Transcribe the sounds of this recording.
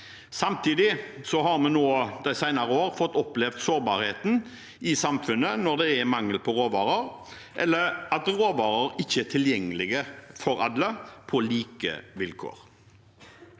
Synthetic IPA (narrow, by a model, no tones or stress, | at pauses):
sɑmt̪ʰiːd̪ɪsɔɦɑɾmɛnːoːd̪æɪsæɪnɑɾəoːɾfɔt̪ːɔplɛʋd̪soːɾbɑːɾheːt̪n̩ | ɪsɑmfʉnːənɔɾd̪ɛɛmɑŋːəlpʰɔɾoːʋɑːɾəɾ | ʔɛ̰lːəɾɑt̪ɾoːʋɑːɾəɾɪçːəɛt̪ʰɪljɛŋːəlɪɡəfɔɾɑ̰d̪ləpʰɔliːkə̰ʋɪlkʰo̰ːɾ